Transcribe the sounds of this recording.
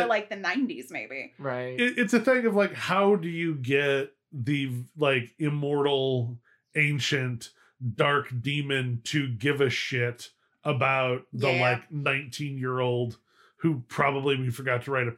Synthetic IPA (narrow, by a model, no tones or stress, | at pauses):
laɪk̚ðɨnãɪ̃ntiz̥meɪbiɹaɪɪɪtsɨθɪ̃ŋʌvlaɪkhaʊdɨjɨɡɛt̪̚ | ðɨlaɪkɪmɔɹɾl̩ˠ | ẽɪ̃nʃɨ̃nt | d̥ɑɹkd̥ĩmɨ̃ntʰɨɡɪvɨʃɪɾ | ʔəbaʊt̪̚ðəllaɪknãɪ̃ntʰĩnjɪɹoʊlˠd̥̚ | hʉpʰɹ̥ɑbəbliwifə˞ɡɑtʰəɹaɪɾɨ